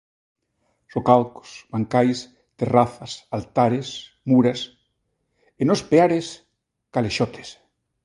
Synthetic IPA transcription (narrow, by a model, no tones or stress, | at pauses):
sokalko̥sbaŋkajs | t̪eraθɐsalt̪aɾes | muɾas | enospeaɾes | kaleʃot̪ʰe̥s